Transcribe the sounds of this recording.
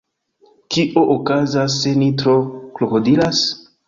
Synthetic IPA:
kiʔoʔokazas̬ːe̞nitɾoklokodilas

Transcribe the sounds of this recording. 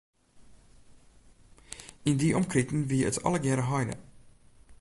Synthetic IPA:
ɪndiːʔɔmkɾɪtn̩viːə̰tʰɑ̰ləɡɛɾəɦɑjnə̰

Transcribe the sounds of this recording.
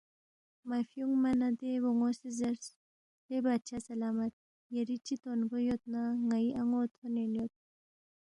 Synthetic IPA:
mafjuŋmanad̪eboŋosizɐɾs | lebat̪t͡ʃʰasɐlaːmɐt̪̚ | jɐɾit͡ʃit̪onɡojot̪̚naŋaiʔaŋot̪ʰonenjot̪̚

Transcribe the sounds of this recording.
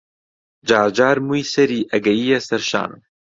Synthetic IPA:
d͡ʒaːd͡ʒaːɾmujsɐɾiːʔɐɡɐjiːɐsɐɾʃa̰ːn

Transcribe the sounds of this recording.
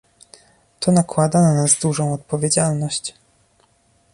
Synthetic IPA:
t̪ʰɔnakwad̪ananazd̪uʐɔ̃w̃ɔt̪̚pɔvʲjed͡ʑalnɔɕt͡ɕ

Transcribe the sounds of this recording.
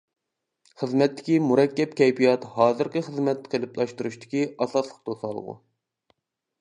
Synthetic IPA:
χəzmɛt̪ʰːɪ̥kʲimuɾɛkʲːɛp̚kʲɛjpijɑt̪hɑːzɨɾqʲəχəzmɛt̪ːqʰəlɪplˠɑʃt̪uɾuʃt̪ʰɪ̥kʲiɑsɑslˠəqt̪ʰosɑlˠə̰ʁṵ

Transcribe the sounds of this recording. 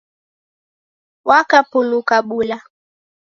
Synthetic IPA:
wakapulukaɓula

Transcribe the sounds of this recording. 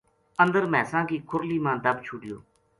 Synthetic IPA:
ə̃nd̪əɾmɛ̃ːsãːkiːkʰʊɾliːmãːd̪əbt͡ʃʰʊɖɪjo̰ː

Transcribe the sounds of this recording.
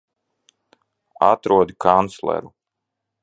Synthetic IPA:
at̪ɾuɔd̪ikʰant̪slˠɛ̰ɾu

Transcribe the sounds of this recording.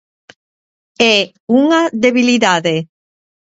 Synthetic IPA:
ɛ | uŋaðeβiliðaðe

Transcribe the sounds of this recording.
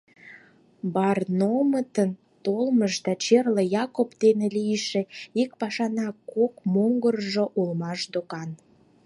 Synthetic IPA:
bɑrnomət̪ən | t̪olməʃd̪ɑt͡ɕerləjɑkopd̪enelijʃĕikpɑʃɑnɑkokmoŋɡərʒoʔulmɑʃd̪okɑn

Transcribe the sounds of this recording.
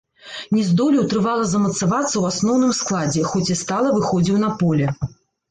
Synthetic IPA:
nʲɛzd̪ɔlʲiwt̪ɾɨvalˠɐzɐmɐt̪savat̪sːɐwasnɔwnɨmsklˠad͡zʲɛxɔt͡sʲist̪alˠɐvɨxɔd͡zʲiwnɐpɔlʲɛ

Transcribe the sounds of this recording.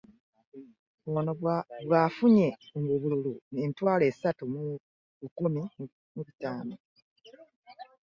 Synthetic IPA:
βwonoβwaːfuɲe̞omuβululueːntwaːle̞ːsatum | ukumi | muβitaːno

